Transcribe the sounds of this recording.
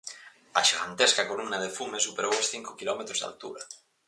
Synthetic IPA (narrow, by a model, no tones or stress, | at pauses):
a̰ʃiɣa̰nt̪eskakolumnaðefumesupeɾowasθiŋkokilɔmet̪ɾozða̰lt̪ṵɾa